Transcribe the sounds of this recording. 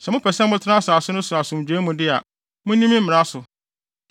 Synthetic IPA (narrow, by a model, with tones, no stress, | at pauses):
sɛ˨mʊ̃˦pʰɛ˨sɛ̃˦mʊ̃˦tʰɪ˦nã˦sa˨sʊ˦nʊ̃˦sʊ˨a˨sʊ̃˨m̩˨d͡ʑᶣe˨˦mũ˨dɪ˦a˨ | mʊ̃˦nĩ˦mĩ˦m̩˦mɪ̃˨ɾa˦sʊ˨